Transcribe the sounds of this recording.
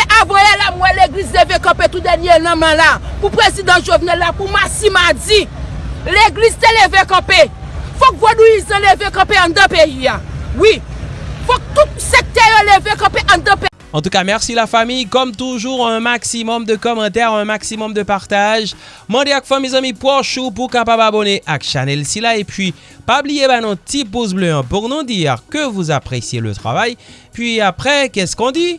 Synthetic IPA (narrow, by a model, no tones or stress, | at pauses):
ʔavãjɛlamwɛleɡlizlevekɐ̃pet̪ud̪ɛnjenãmɛ̃lapupʁezid̪ãʒovnɛlːapumasimad͡zi | leɡlizt̪elevekɐ̃pe | fɔkvonuizãlevekɐ̃peãd̪ãpeiawi | fɔk̚t̪usek̚t̪ɛjolevekɐ̃peʔɐ̃d̪ãpe | ɑ̃t̪ukamɛʁsilafamijkɔmt̪uʒuʁɛ̃maksimɔmd̪əkɔmɑ̃t̪̬ɛʁɛ̃maksimɔmd̪əpaʁt̪aʒ | mɑ̃d̪eakfamizãmipwɔʁʃup̬uʁkapababɔneʔakʃanɛlsilaepɥi | pablijebanɔ̃t̪ibuzbløɑ̃puʁnɔ̃d̪iʁkəvuzapʁesjelə̰t̪ʁa̰vajpɥiapʁɛkɛskɔ̃d̪i